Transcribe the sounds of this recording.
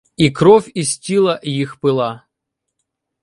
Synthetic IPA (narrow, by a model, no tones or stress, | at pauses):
ikɾɔfʲisʲtʲilˠɐjixpɪlˠɑ